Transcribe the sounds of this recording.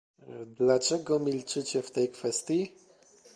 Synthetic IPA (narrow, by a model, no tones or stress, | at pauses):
d̪lat͡ʂɛɡɔmʲilt͡ʂɘt͡ɕɛft̪ɛjkfɛst̪ʲji